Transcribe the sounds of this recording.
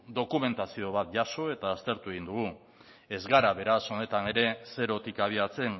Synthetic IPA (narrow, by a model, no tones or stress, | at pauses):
d̪o̞kume̞nt̪asio̞β̞at̪̚ʝaso̞e̞t̪aːst̪e̞ɾt̪ue̞ɣind̪uɣ̞u | e̞zɣaɾaβe̞ɾaso̞ne̞t̪ane̞ɾe̞se̞ɾo̞t̪ikaβ̞iat͡se̞n